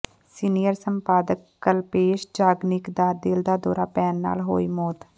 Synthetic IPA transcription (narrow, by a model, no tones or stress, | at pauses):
siːnijəɾsəmpaːd̪əkːəlpeːʃd͡ʒaːɡnɪkd̪aːd̪ɪld̪aːd̪ɔ̰ːɾaːpɛːnːa̰ːlɦo̰ːiːmoːt̪